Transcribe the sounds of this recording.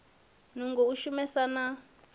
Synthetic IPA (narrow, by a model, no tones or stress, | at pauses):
nuŋɡouʃumɛsana